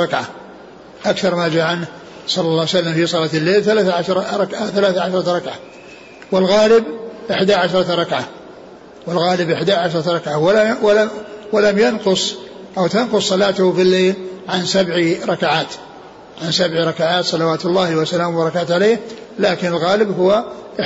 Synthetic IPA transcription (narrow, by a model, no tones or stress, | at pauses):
ɑkʕa | ʔakθɑɾˤmaːd͡ʒaːʕanh | sˤɑlːɑlːɑːwsalːamfisˤɑlaːt̪lːeːlθalaːθʕaʃɾˤɾˤɑkʕaθalaːθʕaʃɾˤɑɾˤɑkʕa | wɪlɣaːlɪbʔɪħd̪aʕaʃɾˤɑɾˤɑkʕa | wɪlɣaːlɪbʔɪħd̪aʕaʃɾˤɑɾˤɑkʕawalwlawalamjanqʊsˤ | ʔawt̪anqʊsˤːɑlaːt̪ʊhfilːeːlʕansabʕiɾˤɑkaʕaːt̪ | ʕansabʕiɾˤɑkaʕaːt̪sˤɑlawaːt̪ʊlˤːɑːhwasalaːmbɑɾˤɑkaːt̪ʕaleːh | laːkɪnɪlɣaːlɪbɦʊwaʔ